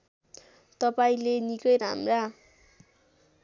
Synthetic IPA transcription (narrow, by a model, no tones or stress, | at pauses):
t̪ʌpaĩlenikʌjɾa̰mra